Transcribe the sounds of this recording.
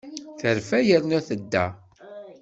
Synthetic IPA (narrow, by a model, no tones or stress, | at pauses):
θəɾfæjəɾnæθəd̪ːæ̰